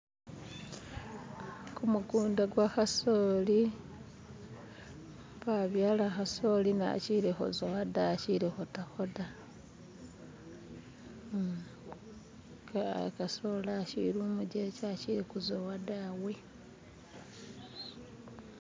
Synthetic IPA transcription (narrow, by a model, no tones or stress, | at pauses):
kumukuːndaɡwaxasoːli | paβjaːlaxaso̞lina̰ciɾixo̰zowadat͡ʃiɾixotaxoda | kkasolaʃḭɾumuɟet͡ʃat͡ʃiɾikuzowadawe